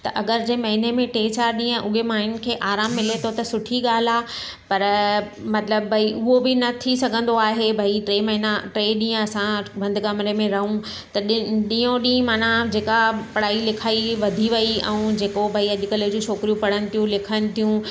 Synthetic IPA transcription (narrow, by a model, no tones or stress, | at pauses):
t̪ɐʔɐɡəɾd͡ʑeːmɐɦɪnemẽʈẽːt͡ɕaːɾɗĩːə̃ʔʊɦemaːɦɪn̆kʰeːʔaːɾaːmːɪlet̪ʰot̪ɐsʊʈʰiɠaːl̤aː | pɐɾ | mɐt̪ləbbʱɐiʔʊɦobɪnɐt̪ʰisɐɡʱə̃nd̪oaːɦebʱɐiʈɾeːmɐɦɪnaʈɾeːɗĩːə̃ɐsãbʱɐ̃nd̪kɐmɾemẽɾɐɦũ | t̪ɐɗɗĩːõɗĩːmaːnãd͡ʑeːkapɐɽ̤aːilɪkʰaːiʋɐd̪ʱiʋɐiɛ̰̃ũd͡ʑeːkobʱɐiɐɗɪkəljod͡ʑũːt͡ɕʰoːkɾijũpɐɽənɪ̆t̪ʰijũlɪkʰənɪ̆t̪ʰijũ